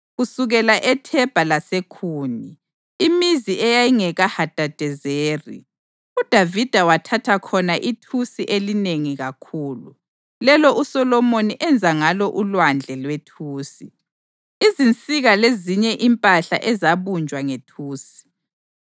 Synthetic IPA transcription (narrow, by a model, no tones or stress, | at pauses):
ɣusuɣɛlaʔɛtʰɛb̥ʱalasekʰuːni | imiziʔɛjajiŋɛɣahad̥ʱad̥ʱɛzeːrḭ | ud̥ʱavid̥ʱawatʰatʰakʰɔnaʔitʰusiʔelineŋiɣakʰuːlu | lɛlɔʔusɔlɔmoniʔɛnd͡zʱaŋalɔʔulwand͡ɮʱɛlwetʰuːsi | izint͡sʼiɣaleziɲɛʔimpʼaɬa̰ʔɛzaβund͡ʒʱwaŋetʰuːsi̥